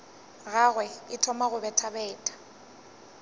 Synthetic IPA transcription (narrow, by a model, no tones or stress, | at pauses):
ɣaɣwɛɪtʰɔmaɣʊbɛtʰabɛːtʼḁ